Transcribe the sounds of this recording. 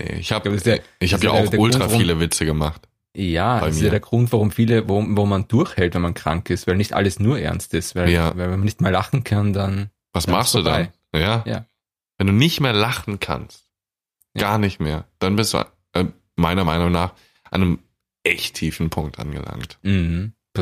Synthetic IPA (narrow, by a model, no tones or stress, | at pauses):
nḛɪ̰çhaːbassaʔɪçhaːbja̰ːʔaʊdeːɐʊlttʁʁaaʁfiːləvɪt͡səɡəmaχt | jaːbaɪmsijaɐːdeːɐɡ̥ʁʊntv̥aʁʊmfiːləvaʊmvaʁʊmːand̥ʊɐçhɛltvɛnmankʁ̥a̰ŋkɪstvaɪlnɪçtʔa̰ləsnuːɐʔɛɐnstɪstvaɪjaːvaɪlvɛnmanɪçtmeːɐlaχn̩kʰandan | vasmaχstd̥uːda̰nɪ | jaːja̰ː | vɛnduːnɪçtmeːɐlaχn̩kʰa̰nst̚ | jɡ̥aːɐnɪçtmeːɐd̥anbɪsd̥ṵː | ʔ | maɪnɐmaɪnʊŋnaːχ | ʔa̰nəm | ʔɛçtʰːiːfn̩pʰʊŋk̚tʔa̰nɡə̰la̰ŋtm̩hm̩